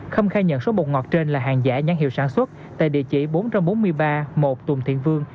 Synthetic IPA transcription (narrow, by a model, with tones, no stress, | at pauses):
xə˧wŋ͡mxaː˧jɲə̰˧˨nso˨˦mo˨˩t̚ŋɔ˨˩t̚t͡ɕe˧nlaː˨˩ɦaː˨˩ŋza̰ː˧˥ɲa˨˦ŋhḭ˧˨wsaː˧˩nswə˦˥t̚ | t̪a̰ː˧˨jɗḭ˧˨ət͡ɕḭ˧˩ɓo˨˦nt͡ɕa˧mɓo˨˦nmɨ˧əjɓaː˧mo˨˩t̚t̪ʊ˨˩ŋ͡mt̪ʰḭ˧˨ənvɨ˧əŋ